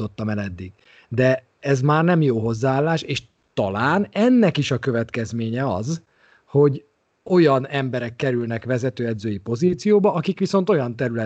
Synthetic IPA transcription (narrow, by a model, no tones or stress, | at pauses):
o̞t̪ːɒmɛlɛd̪ːiɡ | d̪ɛ | ɛzmaːrnɛmjoːɦo̞zːaːlːaːʃeːʃ | t̪ɒlaːnɛnːɛkiʃɒkø̞vɛt̪kɛzmeːɲɛɒz | ho̞ɟ | o̞jɒnɛmbɛɾɛkːɛɾylnɛkʋɛzɛt̪øːɛd̪zøːjipo̞ziːt̪sijoːbɒʔɒkikʋiso̞nt̪o̞jɒnt̪ɛɾylɛ